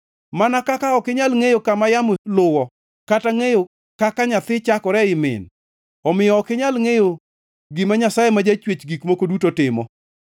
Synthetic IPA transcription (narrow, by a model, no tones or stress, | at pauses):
manakakaɔkɪɲalŋejokamajamolʊwɔ | kataŋejo | kakaɲat̪ɪt͡ʃakɔɾɛɪmɪ̰n | ɔmɪjɔːkɪɲalŋejo | ɡɪmaɲasajemad͡ʒat͡ʃwet͡ʃɡikmokodutotɪmɔ̰